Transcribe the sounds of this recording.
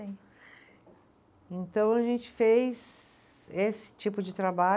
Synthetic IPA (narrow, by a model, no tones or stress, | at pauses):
ẽj̃ | ẽnt̪ɐ̃w̃ɐʒẽnt͡ʃɪ̥fejz | esɪ̥t͡ʃipʊd͡ʒɪt̪ɾaba